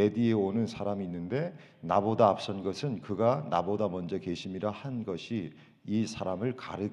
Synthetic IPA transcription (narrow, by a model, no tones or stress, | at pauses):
edieonɯnsʰaɾamiːnːɯnde̞ | nabodaːp̚s͈ʌnɡʌsʰɯnkɯɡanabodamʌnd͡ʑʌke̞ɕʰimiɾahanɡʌɕʰiː | sʰaɾamɯɭka̰ɾɯ